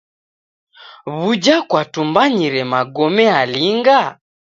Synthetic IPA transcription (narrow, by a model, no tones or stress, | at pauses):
βud͡ʒakwatumbaɲiɾɛmaɡɔmɛaliŋɡa